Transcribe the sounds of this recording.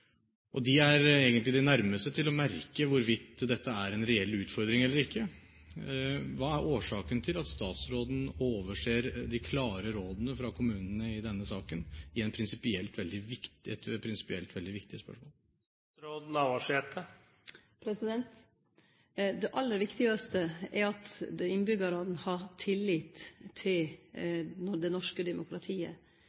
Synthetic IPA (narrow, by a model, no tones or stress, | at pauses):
ʔɔd̪ɪæɾeːɡənt̪lɪd̪ɛnæɾməst̪ət̪ʰɪlɔmæɾkəʋʊɾʋɪt̪d̪ɛt̪ʰːəæɾɛnɾɛɛlːʉːt̪fɔɾd̪ɾɪŋɛlːəɾɪkːə | ʋɑːæɾʔoːʂɑːkənt̪ʰɪlɑt̪st̪ɑːt̪sɾoːd̪n̩oːʋəʂeːɾd̪ɪkʰlɑːɾəɾoːd̪nəfɾɑkʰʊmʉːnənəɪd̪ɛnːəsɑːkənɪɛɪnpʰɾɪnsɪpɪɛlt̪ʋɛld̪ɪʋɪkt̪ɛt̪pʰɾɪnsɪ̥pɪɛ̰lt̪ʋɛld̪ɪʋɪkt̪ɪəspœ̰ʂmoːl | ɾoːd̪nɑʋɑʂeːt̪ʰə | pʰɾɛsɪd̪ɛnt̪ | d̪ɛʔɑlːəɾʋɪkt̪ɪɡɑst̪əɛɾɑt̪d̪ɛɪnbʏɡɑɾɑnəhɑɾt̪ʰɪlːɪt̪ʰːɪl | d̪ɛnɔʂkəd̪ɛmʊkʰɾɑt̪ʰiːə̰